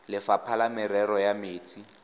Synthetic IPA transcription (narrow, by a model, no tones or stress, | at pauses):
lɪfapʰalamɪɾɛɾɔjameːt͡sʰʼi